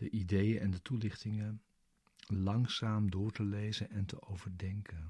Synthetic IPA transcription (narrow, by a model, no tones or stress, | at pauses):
dəʔidejənʔɛndətulɪχtɪŋə | lɑŋsaːmdʊːɹtəlejzənɛntəʔowvəɹdɛŋkən